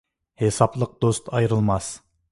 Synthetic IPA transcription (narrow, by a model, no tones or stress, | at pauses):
hesɑplˠəq̚d̪ost̪ɑjɾɨlˠmɑs